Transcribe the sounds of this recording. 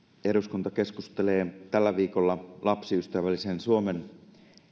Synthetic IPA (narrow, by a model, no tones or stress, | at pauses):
eɾuskunt̪ɑke̞skust̪eleːt̪ælːæʋiːkolːɑlɑpsiyst̪æʋælːisensuomen